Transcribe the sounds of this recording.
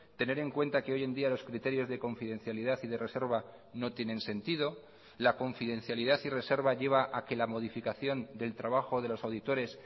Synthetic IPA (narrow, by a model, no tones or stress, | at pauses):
t̪e̞ne̞ɾe̞ŋkwe̞nt̪akeo̞je̞nd̪ialo̞skɾit̪e̞ɾjo̞zðe̞ko̞ɱfiðe̞nθjaliðaθiðe̞re̞se̞ɾβa | no̞t̪je̞nẽ̞nse̞nt̪iðo̞ | lako̞ɱfiðẽ̞nθjaliðaθire̞se̞ɾβaʝe̞β̞aʔake̞lamo̞ð̞ifikaθjo̞nd̪e̞lt̪ɾaβaxo̞ðe̞lo̞sawðit̪o̞ɾe̞s